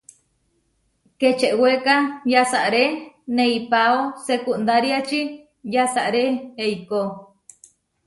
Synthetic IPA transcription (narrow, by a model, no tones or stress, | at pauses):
ket͡ʃeʔwekajasaʔɾenẽipaosekund̪aɾiat͡ʃi | jasaʔɾeeiko